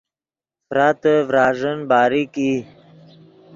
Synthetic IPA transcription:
fɾat̪əvɾaːʐənbaːɾiki

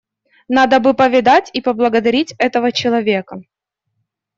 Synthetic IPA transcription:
nad̪əbɨpəvʲɪd̪atʲipəblˠəɡəd̪ɐɾʲitʲɛt̪əvət͡ɕɪlˠɐvʲe̞kə

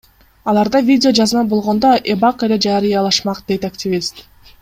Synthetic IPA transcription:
ɑlˠɑɾd̪ɑvʲidʲɪo̞d͡ʒɑzɯnɑbo̞lˠʁo̞nd̪oʔebɑqele̞d͡ʒɑɾɯjɑlˠɑʃmɑqd̪̥e̞jt̪aktʲɪvʲist̪

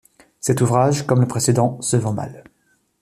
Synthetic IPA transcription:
sɛt̪uvʁaʒkɔmləpχesed̪ɑ̃səvɑ̃ma̰l

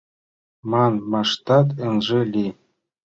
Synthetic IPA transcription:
mɑnmɑʂt̪ɑt̪ɘ̆nʒɘ̆lʲi

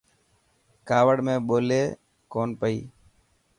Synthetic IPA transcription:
kaːʋəɽmẽːɓoːleː | koːnpəḭː

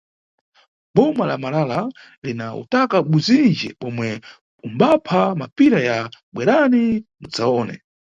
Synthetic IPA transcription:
bɔmalamalala | linaṵtakaɓuzind͡ʒɛɓɔmwɛ | umbapʰamapiɾajaɓwɛɾanimud͡zaɔːnɛ̰

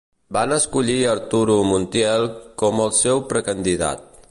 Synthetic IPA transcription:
banəskuʎiəɾt̪uɾumunt̪jɛlˠkɔməlˠsɛwpɾəkənd̪iða̰t̪̚

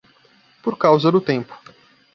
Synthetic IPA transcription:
poɾkawzɐd̪ʊt̪ẽmpʊ̥

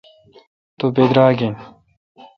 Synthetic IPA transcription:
t̪obeːd̪ɾaːɡen

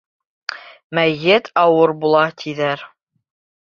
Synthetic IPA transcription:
mæjɘt̪ʰɑwɤɾbulˠɑt̪ʰiðæɾ

